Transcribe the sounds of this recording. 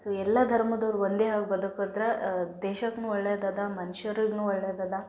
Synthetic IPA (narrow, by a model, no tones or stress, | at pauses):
soɛlːɐd̪ʱɐɾmɐd̪ɐʋɾuʋond̪eɦaːɡ̚bɐd̪ukɐd̪ɾɐd̪ɛːʃɐknuːɔɭːeːd̪ɐd̪ɐmɐnʃɐɾiɡnuːɔɭːed̪aːd̪a